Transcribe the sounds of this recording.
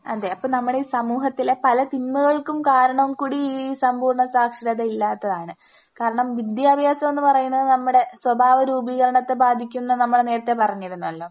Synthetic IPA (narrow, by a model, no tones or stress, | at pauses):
ɐ̰d̪eɐpːoːnɐmːuɽeiːsɐmuːɦɐt̪ːilepɐlɐt̪inmuɣɐɭkumkaːɾɐɳɐumkuːɽiiːsɐmbʱuːɾɳɐsaːkʂɐɾɐðɐilːaːt̪ːɐðaːɳɨ | kaːɾɐɳɐmʋid̪jaːbʱjaːsɐmenːɨpɐrɐjːunːɐðɨnɐmːuɽe̞swɐbʱaːʋɐɾuːbiɣɐɾɐɳɐt̪ːebaːd̪ʱikʲːumnːɐnɐmːuɽe̞ne̞ːɾɐt̪ːepɐrɐɲːiɾunːuɐlːo̞ː